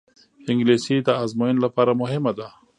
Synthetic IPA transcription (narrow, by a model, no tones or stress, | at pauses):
ɪŋɡlesid̪əazmojɪnlapɑɾamʊɦɪmad̪a